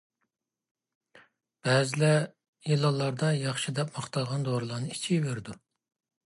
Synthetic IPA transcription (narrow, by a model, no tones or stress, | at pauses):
b̥ɛːzɪlɛ | jilˠːɑlˠːɑɾd̪ɑjɑχʃid̪ɛpmɑχt̪ɑlˠʁɑnd̪oɾlˠɑɾnɨi̥t͡ʃʰiveɾɪd̪u